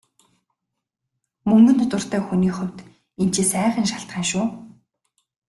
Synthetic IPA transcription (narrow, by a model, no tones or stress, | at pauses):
mɵŋɡɵ̆nt̪ʰʊt̪ə̆r̥t̪æːxuniːχʊw̥ʲt̪ | en̥t͡ɕiːsæːχə̆nʃaɬt̪χæːnʃʊː